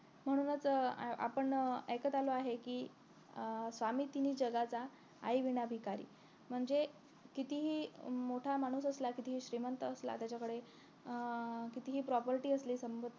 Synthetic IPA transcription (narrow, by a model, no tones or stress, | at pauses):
m̤əɽ̃uːnət͡sa̰pəɳekət̪aloaɦekiː | sʋamiːt̪iniːd͡ʑəɡat͡sa̰ː | jʋiɳ̃abʱikaɾḭː | m̤əɳd͡ze | kit̪iɦiːmoʈʰamaɽ̃uːsəslakit̪iɦiːɕɾimənt̪əːsla̰t̪jat͡ɕakəɽe | kit̪iɦiːpɾɔpəɾʈiːəsliːsəmbəd̪